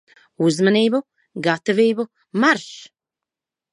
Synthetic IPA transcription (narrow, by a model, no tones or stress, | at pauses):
uzmaniːbu | ɡat̪ɔviːbu | maɾʃ